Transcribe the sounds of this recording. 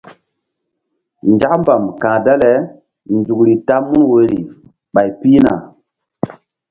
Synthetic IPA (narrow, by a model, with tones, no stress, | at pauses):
nd͡ʒa˦kmba˨mkã˨da˦le˨˦ | nd͡ʒu˨kɾi˨ta˦mu˦nwo˨ɾi˨ | ɓa˨jpi˦na̰˨